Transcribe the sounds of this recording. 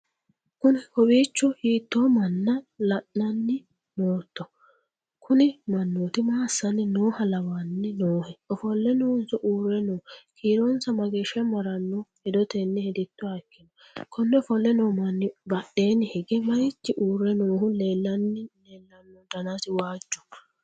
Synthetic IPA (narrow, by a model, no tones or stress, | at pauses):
kʊnɪhɔbiːt͡ʃːɔhiːt̪ːomɐnːɐlɐʔnɐnːɪ | noːt̪ːɔ | kʰʊnɪmɐnːot̪ɪmaːsːɐnːɪnoːhɐlɐwaːnːɪnoːhɛɔfɔlːɛnoːnsɔʔuːrːɛnoːkʰiːɾɔnsɐmɐɡeːʃɛmɐɾɐnːɔhɛd̪ɔt̪ɛnːɪhɛd̪ɪt̪ːɔɐkːɪnɔ | kʰɔnːɛɔfɔlːɛnoːmɐnːɪbɐɗe̞ːnːɪhɪɡɛmɐjɪt͡ʃːɪʔuːrːɛnoːhʊleːlːɐnːɪleːlːɐnːɔd̪ɐnɐsɪwaːd͡ʒːɔ̥